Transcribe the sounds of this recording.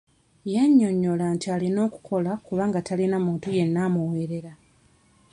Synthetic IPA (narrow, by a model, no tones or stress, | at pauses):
jaɲːo̞ɲːo̞lantialino̞ːku̥kʰo̞lakuβaːŋɡatalinamuːntuje̞nːaːmuweɾe̞ɾa